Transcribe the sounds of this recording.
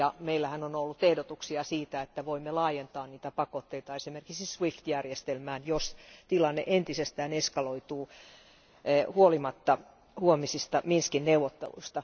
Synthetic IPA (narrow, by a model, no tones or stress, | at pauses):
jɑmeilːæhænonolːut̪ehdot̪uksiɑsiːt̪æet̪ːæʋoimːelɑːjent̪ɑːnniːt̪æpɑkot̪ːeit̪ɑesimerki̥ksisʋift̪jærjest̪elmæːnjost̪ilɑnːḛʔent̪isest̪æːneskɑloit̪uː | huolimɑt̪ːɑ | huomisist̪ɑminskinneuwʋot̪ːḛlṵist̪ɑ